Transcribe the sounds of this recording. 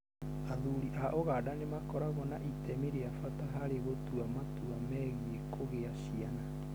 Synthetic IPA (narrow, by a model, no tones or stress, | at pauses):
aðuɾiʔaʔoɣadanemakɔɾaɣɔnaʔitɛmiɾeafataɦaɾeɣotuamatuamɛɣiekʰoɣeaɕiana